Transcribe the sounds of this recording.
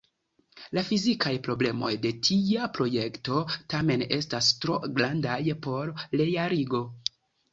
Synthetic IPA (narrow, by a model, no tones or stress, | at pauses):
lafizikʰajpɾo̞ble̞mo̞̰jde̞tʰiapɾo̞je̞kto̞tame̞ne̞̰stastɾo̞ɡɾandajpo̞ɾle̞jaɾiɡo̞